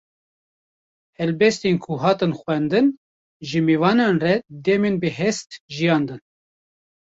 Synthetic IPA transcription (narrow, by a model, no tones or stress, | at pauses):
hɛlbɛst̪enkʰuɦɑːt̪ɨnxwɛnd̪ɨn | ʒəmevɑːnɑnrɛd̪ɛmenbəɦɛst̪ʒijɑːnd̪ɨn